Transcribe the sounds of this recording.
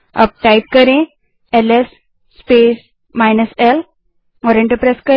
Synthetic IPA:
ə̰p̚ʈajp̚kəɾẽ | elesː | pes | majnəsel | ɔɾeɳʈəɾpɾeskə

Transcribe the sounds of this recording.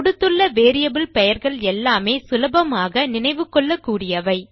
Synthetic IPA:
ʊɽɯt̪ːɯɭːɐʋeːɾɪjɐbɪlpɛjɐɾɣɐɭɛlːaːmeːsɪlɐbɐmaːɣɐnɪnɐɪʋɯkːɔɭːɐkːuːɽɪjɐʋɐɪ

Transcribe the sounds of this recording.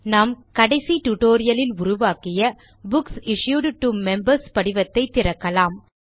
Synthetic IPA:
naːmkɐɽɐɪsiʈʊʈoːɾɪjɐlɪlʊɾʊʋaːkɪjɐ | bʊksɪʂjuːɖʈːumɛmbɐɾspɐɽɪʋɐt̪ːɐɪt̪ːɪrɐkːɐlaːm

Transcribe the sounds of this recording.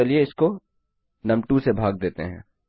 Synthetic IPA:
ɐlieɪsko | nɐmʈusebʱaːɡd̪eːt̪ḛɦɛ̰̃ː

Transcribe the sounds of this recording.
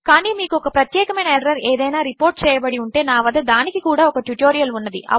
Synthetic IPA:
kaːniːmiːkuɔkɐpɾɐt̪jɛːkɐmɐjnɐɛɽɐɾɐɾeːd̪ɐjnaːɾipo̞ːɾʈ̚t͡ʃɛːjɐbɐɽiuɳʈe̞ːnaːʋɐd̪ɐd̪aːnikikuːɽaːɔkɐʈjuʈoːɾijɐlunːɐd̪ḭʔɐ̰

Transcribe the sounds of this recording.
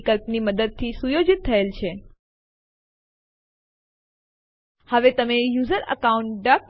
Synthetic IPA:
kəlpniməd̪əd̪̚t̪ʰisujod͡ʒit̪ʰːəelt͡ʃʰe | həʋet̪əmejuzəɾə̰kauɳʈ̚ɖək̚

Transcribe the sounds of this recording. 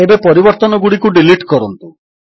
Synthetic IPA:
ebepɔɾibɔɾt̪ɔnɔɡuɽikuɖiliʈkɔɾɔnt̪u

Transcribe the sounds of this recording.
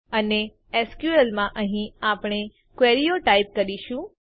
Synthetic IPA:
əne | ɛskjuəlmãʔəɦĩapɽ̃e | kʋeɾijoʈaip̚kəɾiʃũ

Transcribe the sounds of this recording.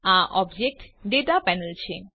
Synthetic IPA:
aʔɔbd͡ʑek̚ʈɖeʈapɛnəlt͡ɕʰe

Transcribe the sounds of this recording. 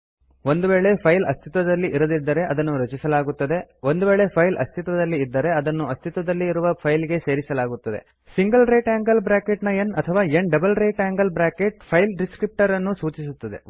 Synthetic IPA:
ond̪uʋeːɭe̞pʰɐjlɐ̰st̪ʰit̪ʋɐd̪ɐlːiʔiɾɐd̪id̪ːɐɾe̞ʔɐd̪ɐnːuɾɐt͡ʃisɐlaːɡut̪ːɐd̪e̞ʋo̞nd̪uʋeːɭe̞pʰɐjlʔɐ̰st̪ʰit̪ʋɐd̪ɐlːiːd̪ːɐɾe̞ɐd̪ɐnːuɐst̪ʰit̪ʋɐd̪ɐlːiːɾuʋɐpʰɐjliɡe̞se̞ːɾisɐlaːɡut̪ːɐd̪e̞̰ | siŋɡɐlɾeːʈaːŋɡɐlbɾaːkeʈnɐenɐt̪ʰɐʋaːeɳɖɐbɐlɾeːʈæːŋɡɐlbɾaːkeʈ̚pʰɐjlɖiskɾip̚ʈɐɾɐnːusuːt͡ʃisut̪ːɐd̪e̞̰

